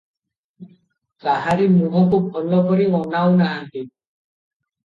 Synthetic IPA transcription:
kaɦaɾimuɦɔkubʱɔlːɔkɔɾiɔnawnaːnt̪i

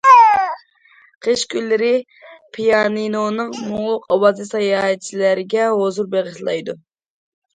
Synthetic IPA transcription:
qʰeʃkʲylːɪɾɪ | pʰijɑninonɨŋmʊŋlˠʊqɑwɑzɨsɑjɑːɦɛt͡ʃʰilæɾɪɡʲɛɦozuɾbeʁɨʃlˠɑ̰jd̪u

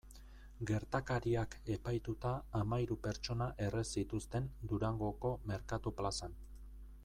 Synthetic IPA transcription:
ɡe̞ɾt̪akaɾiake̞pajt̪ut̪aːmaiɾupe̞ɾt͡ʃo̞naʔe̞re̞sit̪ust̪e̞nd̪uɾaŋɡo̞ko̞me̞ɾkat̪uplasan

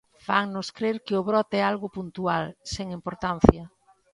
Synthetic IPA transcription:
faŋnʊskɾeɾkɪʊβɾɔt̪ɛalɣʊpunt̪ualseŋimpoɾt̪an̟θjɐ

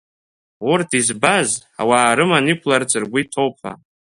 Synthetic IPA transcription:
urtʰizbaz | a̰waːɾɨmanikʷʰlart͡sʰɨrɡʷitʰo̞wpʰa̰

